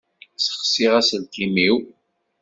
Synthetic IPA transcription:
sə̥χsiʁæsəlt̪imiw

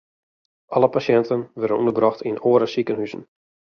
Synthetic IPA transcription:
ʔɑləpasjɛntənʋɛrdənunəbrɔxtʰinoːəɾəsikənhysn̩

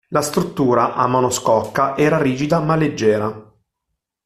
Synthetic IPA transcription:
last̪ɾut̪ːuːɾaʔamonoskɔkːaʔɛːɾaɾiːd͡ʒid̪amalːed͡ʒːɛːɾa

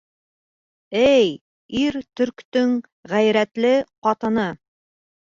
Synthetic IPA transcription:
æj | iɾt̪ɵ̆ɾkt̪ɵŋ | ʁæjɾæt̪lɘqɑt̪ɤ̆nɤ

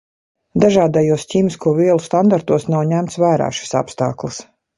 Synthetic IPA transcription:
d̪aʒaːd̪ajuɔsciːmiskuɔviɛlˠust̪and̪aɾt̪uɔsnawɲʲæmt̪svæːɾa̰ːʃi̥sa̰pst̪a̰ːklˠis

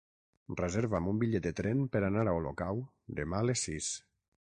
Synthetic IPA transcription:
rezeɾvamumbiʎɛt̪̚d̪et̪ɾɛmpəɾanaɾaolo̰kaw | d̪emaəlesːis

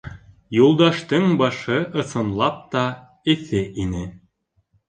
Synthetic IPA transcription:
julˠd̪ɑʃt̪ɤɴbɑʃɤʔɤ̆sɤ̆nlˠɑp̚t̪ɑ | ɘ̆θɘʔinɘ

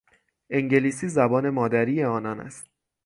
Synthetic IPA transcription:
ʔe̞ŋɟe̞liːsiːzæbɒːne̞mɒːd̪æɾiːe̞ɒːnɒːnæ̰st̪

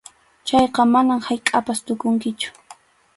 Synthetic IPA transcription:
t͡ʃɑjqɑmanamhajkʼapast̪ʊkʊŋkɪt͡ʃʊ̥

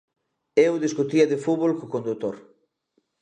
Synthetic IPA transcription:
ewðeskot̪iɐðefuβolkokõnd̪ut̪oɾ

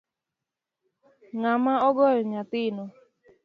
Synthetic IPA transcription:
ŋamaɔɡɔɾɔɲatino

